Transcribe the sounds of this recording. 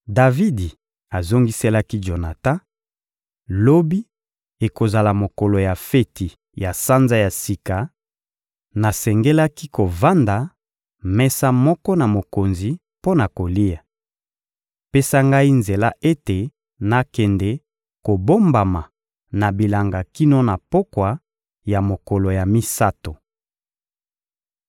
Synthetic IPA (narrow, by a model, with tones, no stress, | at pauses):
da˨vi˦di˨ | a˨zo˦ŋɡi˦se˦la˦ki˦ʒo˨na˨tã˦ | lo˦bi˦ | e˨ko˨za˨la˨mo˨kɔ˨lo˨ja˨fe˦ti˨ | ja˨sa˦nza˦ja˨si˨ka˨ | na˨sɛ˨ŋɡe˦la˦ki˦ko˨va˦nda˨ | mɛ˦sa˦mɔ˦kɔ˦na˨mo˨ko˨nzi˨ | po˦na˨ko˨li˦ja˨ | pe˦sa˦ŋɡa˦i˦nze˨la˦ʔe˦te˨ | na˨kɛ˨ndɛ˨ | ko˨bo˦mba˨ma˨ | na˨bi˨la˨ŋɡa˨ki˦no˦na˨po˦kwa˨ | ja˨mo˨kɔ˨lo˨ja˨mi˦sa˦to˨